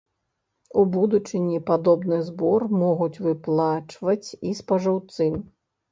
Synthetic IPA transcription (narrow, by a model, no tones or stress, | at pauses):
ubud̪ut͡ʂɨnʲipad̪ɔbnɨzbɔrmɔɣut͡sʲvɨplˠat͡ʂvɐt͡sʲispɐʐawt̪sɨ